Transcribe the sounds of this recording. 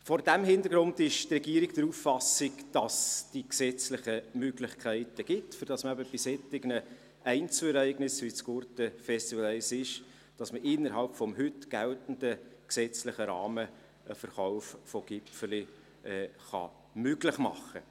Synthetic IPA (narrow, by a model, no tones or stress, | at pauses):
fɔɾdæmhɪnd̪əɾɡ̥ɾʊndɪʃtrɛɡiːəɾɪkd̥əɾufːɑsɪkd̥ɑsd̥iksɛt͡slɪχəmøɡlɪχkʰæɪtəɡ̥ɪtfyɾd̥ɑsməæbəb̥isɛtːɪɡnə | æɪnt͡səɛɾæɪɡnɪsʋit͡sɡ̥ʊɾtəfɛst̪iʋəl̩ɛɪsɪʃ | d̥ɑsməʔɪnːəɾɦɑlpfɔmɦʏtɡ̥æltən̩d̥əksɛt͡slɪχəɾɑːmə | əfəɾχɔʊffɔɡ̥ɪpfəli | ʔɛːχɑ̰ | møɡlɪχmɑ̰χːə